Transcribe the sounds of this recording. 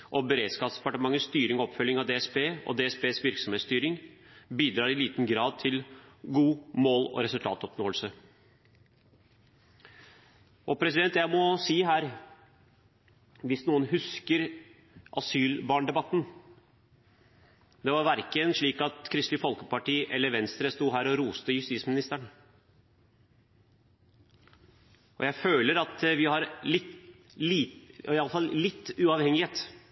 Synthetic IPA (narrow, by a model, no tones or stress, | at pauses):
ʔɔbɛɾeːd̪skɑːpsd̪̥ɛ̥pɑʈəmɑŋːəst̪yːɾɪŋɔɔpfœlːɪŋɑʋd̪ɛːɛsbeːʔɔ̰d̪ɛːɛsbeːsʋɪɾksɔmheːt̪st̪yːɾɪŋbiːd̪ɾɑːɾɪliːt̪nɡɾɑːd̪̚t̪ʰɪlɡuːmoːlɔ̰ɾɛsʉlt̪ʰɑ̰ːt̪ɔpnoːəlsə | ʔɔpʰɾɛsɪd̪ɛnt̪jæɪmɔsiːɦæːɾ | ʋɪsnuːənɦʉskəɾ | ʔɑsyːlbɑːɳɖ̪ɛbɑt̪ːn | d̪ɛʋɑɾʋæɾkənʂɭiːkɑt̪kʰɾɪst̪lɪfɔlkə̥pɑʈiːʔɛlːəɾʋɛnst̪ɾəst̪uːɦæːɾɔɾuːst̪əjʉst̪iːtsmɪnɪst̪əɳ | ʔɔ̰jæɪføːləɾɑt̪ʋɪhɑɾlɪt̪ | liːɪɑlːəfɑllɪt̪ːʉːɑːʋhɛŋɪheːt̪